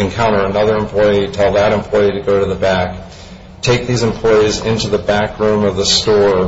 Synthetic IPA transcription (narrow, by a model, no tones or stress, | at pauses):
ɨ̃nkʰãʊ̃ɾ̃ə˞ɨnʌðə˞ɨ̃mpʰl̥ɔɪitʰɛlˠðəɾɨ̃mpʰl̥ɔɪiɾɨɡoʊɾɨðəbæk | tʰeɪk̚ðizɨ̃m̩pʰl̥ɔɪizɪ̃ntʉðəbækɹʉ̃mʌvðəstɔɹ